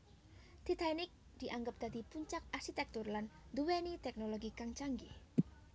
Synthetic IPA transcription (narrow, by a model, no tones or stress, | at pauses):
d̪̥it̪ajnɪk̚ | d̪̥i̤ʔaŋɡəp̚d̪̥a̤d̪̥ipuɲt͡ʃak̚arsit̪ɛk̚t̪ʊrland̪uwenit̪ɛk̚noloɡikaŋt͡ʃaŋɡi